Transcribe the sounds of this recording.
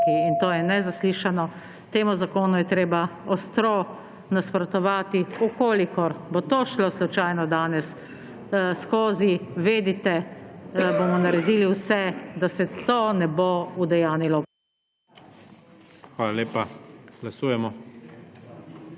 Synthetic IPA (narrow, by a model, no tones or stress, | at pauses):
iint̪oːjɛnɛzasliːʃanɔ | t̪eːmuzakoːnujɛt̪ɾeːbaɔst̪ɾo | naspɾɔt̪ɔʋaːt̪iukoːlikɔɾbot̪oːʃloslut͡ʃajnɔd̪aːnɛs | skoːziʋeːd̪it̪ɛ | boːmɔnaɾɛd̪iːliwsɛd̪asɛt̪onɛboud̪ɛjaːnilɔ | xʋaːlaleːpaɡ̥lasuːjɛmɔ